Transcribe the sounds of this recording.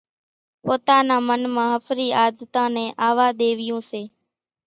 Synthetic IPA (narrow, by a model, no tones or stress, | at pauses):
poːt̪aːnãːmənmãːɦəfʰɾiːʔaːd͡ʒt̪ãːnɛ̃ːʔaːʋaːɗ̪eːʋɪjõːseː